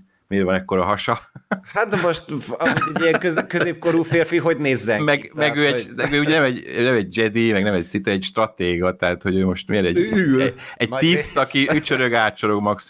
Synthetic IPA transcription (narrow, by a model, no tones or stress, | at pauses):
meːɾvɒnɛkːo̞ɾɒɦɒʃɒhat̪moʃt̪ɒuɛɟijɛŋkøzkøzeːp̚ko̞ɾuːfeːrfiɦo̞ɟneːzːɛmɛɡmɛɡøːɛɛɡøːuɟɛnɛmɛɟnɛmɛɟ̚d͡ʒɛd̪imɛɡnɛmɛcsit̪ɛɛcʃt̪rɒt̪eːɡɒt̪ɛɦat̪ho̞ɟøːmo̞ʃt̪meːɾɛɟyːlɛɟ̪̚itːst̪ɒkiyt͡ʃøɾøɡaːt̪t͡ʃoɾo̞ɡmɒks